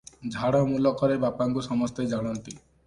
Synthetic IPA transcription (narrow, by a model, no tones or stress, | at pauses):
d͡ʒʱaɽɔmulɔkɔɾebapaŋkusɔmɔst̪ed͡ʒaɽ̃ɔnt̪i